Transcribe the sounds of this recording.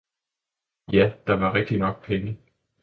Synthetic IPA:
jæd̥ɑ̈ʋɑ̈ʁɛɡ̥̚d̥inɒ̽ɡ̥̚pʰeŋə

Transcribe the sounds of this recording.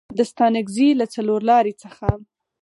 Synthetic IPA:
d̪əst̪ɑnaɡzilat͡saloɾlɑɾit͡səxa

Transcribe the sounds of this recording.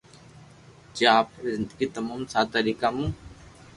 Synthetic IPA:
t͡ʃaːpzɪ̃nd̪əɡiːt̪ɐmaːmsaːt̪əɾiːkamũː

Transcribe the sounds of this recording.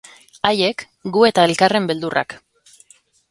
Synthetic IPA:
aje̞k | ɡue̞t̪ae̞lkare̞mbe̞ld̪urʔa̰k

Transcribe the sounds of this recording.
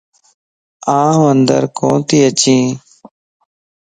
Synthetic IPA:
ãːɦənd̪ə̰ɾkõ̰ːt̪iːət͡ʃĩː

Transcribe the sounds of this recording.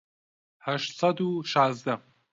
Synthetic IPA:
hæʃt̪sad̪uʃɑːzd̪a

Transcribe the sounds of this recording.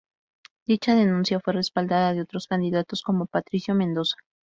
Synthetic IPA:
d̪̥it͡ʃaðe̞nũnsjafwe̞re̞spald̪aðaðeo̞t̪ɾo̞skand̪iðat̪o̞sko̞mo̞pat̪ɾisjo̞mẽnd̪o̞sḁ

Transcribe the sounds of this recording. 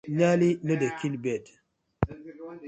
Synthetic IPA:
ɲalinədəkilbed

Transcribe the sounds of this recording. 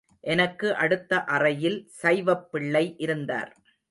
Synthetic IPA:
ʔɛnɐkːɯʔɐɽɯt̪ːɐʔɐrɐjɪlsɐɪʋɐpːɪɭːɐɪʔɪɾɯnd̪a̰ːɾ

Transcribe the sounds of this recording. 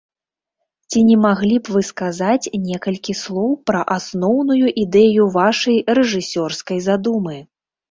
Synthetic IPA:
t͡sʲinʲɛmaɣlʲipvɨskazat͡sʲnʲɛkɐlʲkʲislˠɔwpɾɐʔasnɔwnujuʔid̪ɛjuvaʂɐjrɛʐɨsʲɔrskɐjzad̪umɨ

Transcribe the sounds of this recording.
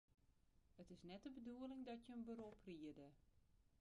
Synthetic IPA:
ətɪsnɛt̚dəbəduəlɪŋdɔtjəənbəɾopriədə

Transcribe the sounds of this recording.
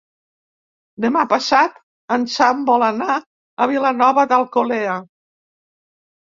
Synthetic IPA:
d̪əmapasat̪ | ənsambɔləna | əβ̞ilənɔβəðəlˠkolɛə

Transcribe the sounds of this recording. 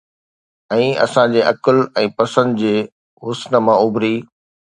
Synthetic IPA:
ɛ̃ːɐ̰sãd͡ʑeːʔɐkəlɛ̃ːpɐsə̃nd̪d͡ʑeː | ɦʊsnə̆mãʊbʱɾiː

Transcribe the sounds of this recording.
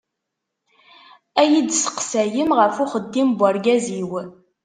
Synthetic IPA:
æjid̪sə̥qsæjəmʁəfuχəd̪ːimbʷaɾɡæziw

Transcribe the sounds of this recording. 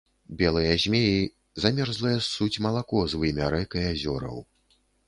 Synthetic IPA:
bʲɛlˠɨjɐzʲmʲeji | zamʲɛrzlˠɐjɐsut͡sʲmɐlˠakɔzvɨmʲaɾɛkɐjazʲɔɾɐ̰w

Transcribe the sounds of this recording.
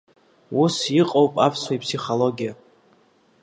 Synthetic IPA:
wusjiqʼowpʼapʰswaipʰsiχolo̞ɡʲija

